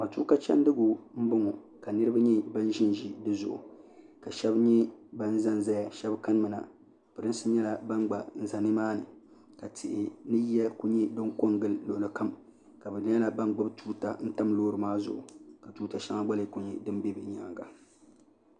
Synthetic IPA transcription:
ka˨tu˦ka˦t͡ʃɛ̰˦n˦dɨ˦ɡʊ˨m̩˦bʊ˦ŋɔ˨ | ka˨nɨ˦ɾɨ˦ba˦ɲɛ˦ba˦n˦ʒɪ˦n˨ʒi˦dɨ˦zʊ̰˨ʔʊ̰˨ | ka˨ʃɛ˦bɲɛ˦ba˦n̩˦za˦n˨za˦ja˨ʃɛ˦bka˦n˦mɨ˨na̰˨ | pɨ˨ɾɨ˦n˦sɨ˦ɲɛ˦la˨ba˦nɡ͡ba˨n̩˨za˨nɨ˦maː˦nɨ˨ | ka˨tʰɪ˨ʔɪ˨nɨ˦jɛ˦ku˦ɲɛ˦do˦ŋko˦ŋɡɨ˦lːo˨lɨ˨ka˦m | ka˨bɨ˨˦ɲɛ˦la˨ba˦nɡ͡bɨ˦btuː˦ta̰˨n̩˦ta˦mloː˦ɾɨ˨maː˦zʊ̰˦ʔʊ̰˨ka˨tuː˦ta˨ʃa˦ŋa˦ɡ͡ba˦lɨ˨˦kʊ˨ɲi˨dɨ˦m˦bi˦bɨ˨˦ɲa˨ŋ˨ɡa˨

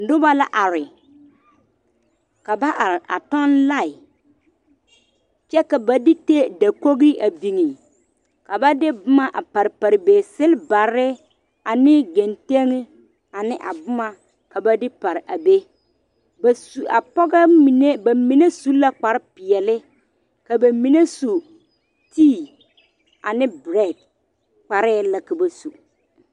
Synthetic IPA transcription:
n̩˨dʊ˦ba˦la˦ʔa˨ɾɪ˨ | ka˨ba˦ʔa˨ɾɪ˨ʔa̰˨tɔ˦nla˦˨ɪ˨ | t͡ʃɛ˦ka˨ba˨dɪ˦te˦da˨ko˦ɣi˦a˨bi˨ŋi˨ | ka˨ba˦dɪ˦bʊ˦ma˦ʔa˨pa˨ɾɪ˨pa˨ɾɪ˨beː˨sɪ˦lba˨ɾɪ˦ | a˨nɪ˦ɡe˨nte˦ŋɪ˦ | a˨nɪ˦ʔa̰˨bʊ˦ma˦ | ka˨ba˦dɪ˦pa˨ɾɪ˨ʔa˨be˦ | ba˨su˨a˨pɔ˦ɡa˦mi˨ne˦ba˨mi˨˦ne˦su˦la˦k͡pa˨ɾɪ˦pɪ˨ɛ˨lɪ˦ | ka˨ba˨mi˨ne˦su˨ | tiː˦˨ | a˨nɪ˦bɾɛ˦˨d̚ | k͡pa˨ɾɪː˦˨la˦ka˨ba˨su˨

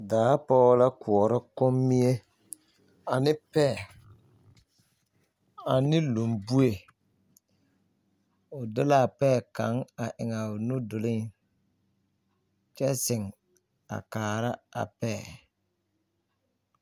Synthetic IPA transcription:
daː˨˦pɔ˦wla˦kʰʊ˨ɔ˨ɾɪ˦kʊ˦mːi˦e˦ | a˨nɪ˦pɛ˦˨ | a˨nɪ˦lo˨mbu˦e˨ | ʊ˨dɪ˦la˦˨pɛː˦˨ka˨˦ŋa˨ʔɪ˨ŋa˨ʊ˨nʊ˦dʊ˨lɪ˦ŋ | t͡ʃɛ˦sɪ˨ŋ | a̰˨kaː˨ɾa˦a̰˨pɛː˦˨

